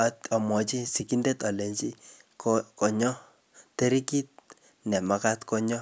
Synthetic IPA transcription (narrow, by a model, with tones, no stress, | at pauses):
a˨˦ta˨mɔ˨t͡ʃi˦si˨ki˦nde˦ta˨le˨ɲt͡ʃi˦ | kokɔ˨ɲɔ˦ | te˦ɾi˦ki˦t̚ | nɛ˨ma˨ka˦tkɔ˦ɲɔ˦